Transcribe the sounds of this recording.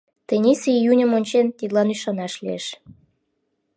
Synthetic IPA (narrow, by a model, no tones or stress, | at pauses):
t̪ĕnʲesejunʲə̆monʲt͡ɕent̪id̪lɑnyʃɑnɑʃlieʃ